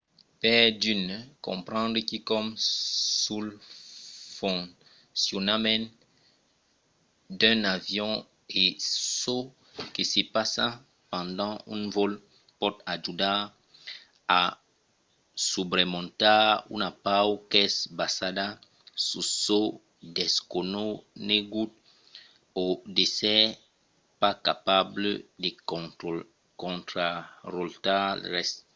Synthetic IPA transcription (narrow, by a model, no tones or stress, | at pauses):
pɛdynkɔ̰̃pχɑ̃nd̪ʁəkikɔmsul | fɔ̃ | sjunamɛn | dɛ̃navjɔ̃ | eso | kisepasa | pɑ̃ndɑ̃ynvɔl | pɔtad͡ʒuda | a | subʁemɔ̃t̪aunapawkɛsbasada | suso | dɛskononeɡut̚ | odesɛ | pakapablde | kɔ̃t̪ɾarɔltal̰ʁɛs